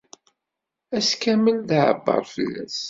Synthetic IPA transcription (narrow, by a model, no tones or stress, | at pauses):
æskæməlðʕə̰bːɑ̰ɾˤfəlːæ̰s